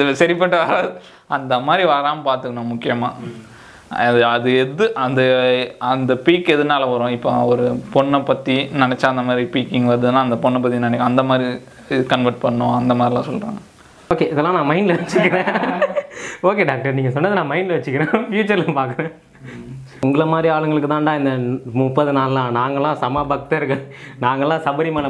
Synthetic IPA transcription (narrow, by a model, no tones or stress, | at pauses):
ɐðɯsɐɾɪpːɐʈːɯʋɐɾaːðɯ | ɐnd̪ɐmaːd̪ɾiʋɐɾaːmpaːɾt̪ɯkːɐɳõːmʊkːɪjɐmaː | ɐðɯɐðɯɛðɯʔɐnd̪ɐɐnd̪ɐpiːkːɛðɯnaːlɐʋɐɾõːɪpːɐɔɾɯpɔɳːɐpːɐt̪ːinɐnɛt͡ʃːaːɐnd̪ɐmaːd̪ɾipiːkːɪŋɡʋɐɾɐðɯnːãːɐnd̪ɐpɔɳːɐp̬ːɐt̪ːinɐnɛkːɐnd̪ɐmaːd̪ɾi | kɐɳʋɐɾʈ̚pɐɳːõɐnd̪ɐmaːd̪ɾilãːsɔlːɾa̰ːŋɡɐ | oːkeːɪðɐlːãːnãːmɐɪnɖlɐʋɐt͡ʃːɯkːɐɾẽː | oːkeːɖaːk̚ʈɐɾniːŋɡɐsɔnːɐðɯnãːmɐɪnɖlɐʋɐt͡ʃːɯkːɪɾẽːfjuːt͡ʃɐɾlãːpaːɾkɐɾẽː | ʊŋɡɯɭɐmaːd̪ɾiaːlɯŋɡɐɭɯkːɯt̪ãːɳɖãːɪnd̪ɐmupːɐðɯnaːllãːnaːŋɡɐlːãːsɐmaːbɐk̚t̪ɐɾɯkːɐnaːŋɡɐlːãːsɐbɐɾimɐːnɐ